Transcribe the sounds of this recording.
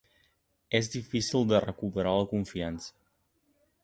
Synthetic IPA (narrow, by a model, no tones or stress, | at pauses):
ezðifisilˠd̪ərəkupəɾaləkuɱfiansə̥